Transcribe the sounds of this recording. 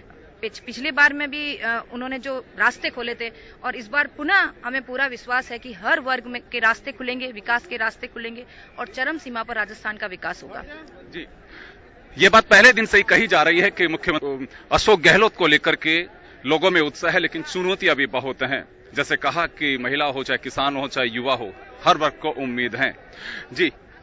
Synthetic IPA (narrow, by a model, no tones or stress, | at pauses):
ɪpɪt͡ʃʰlebaːɾmẽbʱiʊnɦõːned͡ʒoːɾaːst̪ekʰoːlet̪ʰe | ɔːɾɪs̬baːɾpʊnaɦɐmẽpuːɾaʋɪʃwaːsɦɛkiɦɐɾʋɐɾɡmẽkeɾaːst̪ekʰʊlẽːŋɡeʋɪkaːskeɾaːst̪ekʰʊlẽːŋɡe | ɔːɾt͡ʃɐɾəmsiːmapɐɾːaːd͡ʒəst̪ʰaːnkaʋɪkaːsɦo̰ːɡa̰ː | d͡ʒiː | jeːbaːt̪̚pɛɦled̪ɪnseɦikɐɦid͡ʒaːɾɐɦiɦɛkimʊkʰjəmɐʃoːk̚ɡɛɦloːt̪koleːkəɾke | loːɡõmẽʊt̪saɦɛleːkɪnt͡ʃʊnut̪iɐbʱibɐɦoːt̪eɦɛ̰̃ː | d͡ʒɛːsekɐɦakimɐɦɪlaɦot͡ʃaːɦekɪsaːnɦot͡ʃaːejʊʋaɦoːhɐɾʋɐɾɡ̚koʔʊmːiːd̪ɦɛ̃ː | d͡ʒiː